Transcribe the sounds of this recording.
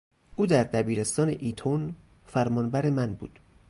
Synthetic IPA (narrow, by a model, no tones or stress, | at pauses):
ʔuːd̪æɾd̪æbiːɾe̞st̪ɒːne̞ʔiːt̪ʰon | fæɾmɒːnbæɾemænbṵːd̪̥